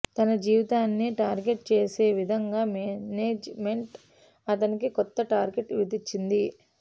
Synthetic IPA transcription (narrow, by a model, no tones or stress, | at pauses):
t̪ɐnɐd͡ʒiːʋit̪aːnːiʈaːɾɡe̞ʈ̚t͡ʃe̞ːse̞ːʋid̪ʱɐŋɡaːmneːd͡ʒme̞ɳʈ | ɐt̪̬ɐnikikɔt̪ːɐʈaːɾɡe̞ʈɾud̪it͡ʃːind̪i